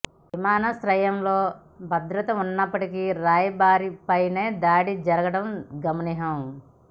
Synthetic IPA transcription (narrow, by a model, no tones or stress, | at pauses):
ʋimaːnɐsɾɐjɐmlo̞ː | bʱɐd̪ɾɐt̪ɐunːɐpːɐʈikiɾaːjɐbaːɾipɐjne̞ːd̪aːɽid͡ʒɐɾɐɡɐɽɐmɡɐmɐniɦɐm